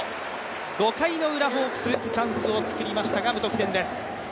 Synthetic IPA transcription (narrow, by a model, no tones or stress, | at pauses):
ɡ̥o̞kaino̞ɯ̟ɾaɦo̞ːkɯ̟̥sɨt͡ɕãsɨo̞t͡sɨ̥kɯ̟ɾʲimaɕi̥t̪aɡabɯ̟t̪o̞kɯ̟t̪ẽ̞nd̪e̞sɨ̥